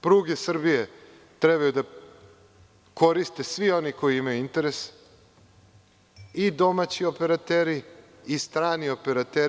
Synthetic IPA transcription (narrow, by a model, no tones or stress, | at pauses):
pɾuːɡesr̩bije | t̪ɾe̞bajud̪a | kʰo̞ɾist̪e̞sʋio̞niko̞jiimajuint̪e̞ɾes | id̪o̞mat͡ɕio̞pe̞ɾat̪eːɾiː | st̪ɾaːnio̞pe̞ɾat̪e